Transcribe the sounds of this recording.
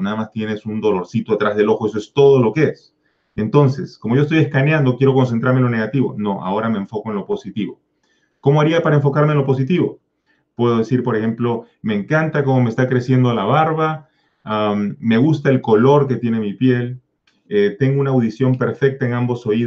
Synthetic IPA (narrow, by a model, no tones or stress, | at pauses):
naðamast̪je̞ne̞sund̪o̞lo̞ɾsit̪oat̪ɾazð̞e̞lo̞xoesoe̞st̪o̞ðo̞lo̞kees | e̞nt̪o̞nse̞skomo̞ʝoest̪ojeskanjand̪okje̞ɾo̞ko̞ns̬ent̪ɾaɾmenlo̞ne̞ɣat̪iβo̞̰no̞ʔa̰o̞ɾameːɱfo̞ko̞enlo̞po̞sit̪iβo̞ | ko̞moaɾiapaɾaeɱfo̞kaɾme̞enlo̞po̞sit̪iβo̞ | pwe̞ðo̞ðe̞siɾpo̞ɾexe̞mplo̞ | me̞ːŋkant̪ako̞mo̞meːst̪akɾe̞sjend̪olaβaɾβa | amːe̞ɣust̪aelko̞lo̞ɾke̞t̪je̞ne̞mipje̞l | et̪e̞ŋɡounaːwðisjo̞mpe̞ɾfe̞k̚t̪aeŋambo̞so̞i